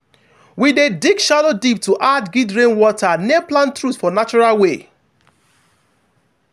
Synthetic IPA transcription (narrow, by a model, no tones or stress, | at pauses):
widedikʃadodip̚tuʔadɡidɹẽnwɔtanɛplãntɹutfɔnat͡ʃɔɹalwe